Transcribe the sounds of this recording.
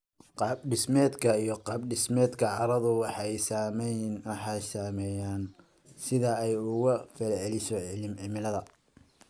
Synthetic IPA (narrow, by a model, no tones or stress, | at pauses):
qɑːbɖɪsmɛːd̪kʰɐijɞqɑːbɖɪsmɛːd̪kʰɐʕɑɾɐðʊwɑħɑɛjsaːmɛjnwɑħɑjsaːmɛːjaːn | sɪðɐɛjʊɣɐfɛlʕɛlɪʃɔʕɪlɪmʕɪmɪlɐðɐ